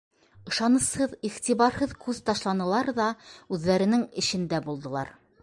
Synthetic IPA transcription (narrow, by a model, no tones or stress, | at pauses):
ɤ̆ʃɑnɤ̆shɤðiχt̪ʲiβɑɾhɤðkʰʉðt̪ɑʃlˠɑnɤ̆lˠɑɾðɑʉðːæɾɘ̆nɘŋɘ̆ɕɘ̆nd̪æbulˠd̪ɤ̆lˠɑ̰ɾ